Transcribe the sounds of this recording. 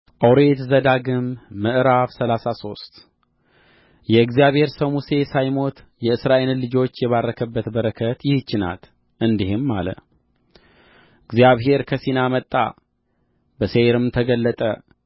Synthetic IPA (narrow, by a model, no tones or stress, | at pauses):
ʔawɾe̞t̪zəd̪aɡɨmːɨʔɨɾaβsəlasaso̞st̪ | jɛɨɡzijaβhe̞ɾsəwmuse̞sajmo̞t̪ | jɛɨsɾaʔellːɨd͡ʒo̞t͡ʃːjɛβarːəkʰəbːət̪bəɾəkʰət̪jɪht͡ʃːɪna̰t̪ | ʔɨnd̪ihɪmːalə̰ | ɨɡzijaβɦe̞ɾkʰəsinamət̪ʼːa̰ | bəseɾɨmt̪ʰəɡəlːət̪ʼə̰